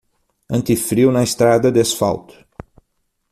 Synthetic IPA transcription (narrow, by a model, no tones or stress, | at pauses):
ɨnt̪ifɾiwnajst̪ɾad̪əd̪esfa̰lt̪